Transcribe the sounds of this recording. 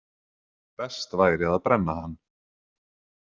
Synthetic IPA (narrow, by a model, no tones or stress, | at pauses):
pɛst̪vaːjɾɪaðaðpɾɛnːahanː